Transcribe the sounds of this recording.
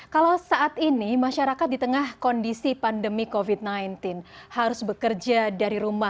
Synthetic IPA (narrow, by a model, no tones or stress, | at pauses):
kalawsaʔat̪inimaʃaɾakat̪̚dit̪əŋahkɔndisipandəmikovit̪̚najnt̪ɪnhaɾʊsbəkərd͡ʒadaɾiɾuma